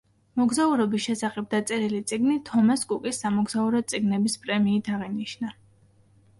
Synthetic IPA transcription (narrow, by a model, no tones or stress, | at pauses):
mɔɡzauɾɔbisʃɛsaχɛb̚d̪at̪sʼɛɾilit̪sʼiɡnit̪ʰɔmaskʼukʼisːamɔɡzauɾɔt̪sʼiɡnɛbispʼɾɛmiːt̪ʰaʁiniʃna